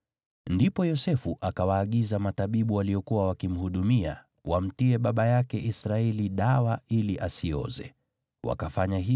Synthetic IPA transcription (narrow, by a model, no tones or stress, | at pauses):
ndipɔjɔsɛfuʔakawaːɠizamataɓiɓuwaliɔkuwawakim̩huɗumia̰ | wam̩tiɛɓaɓajakɛʔisɾaɛliɗawailiʔasiɔ̰zɛ̰ | wa̰kafaɲaɦi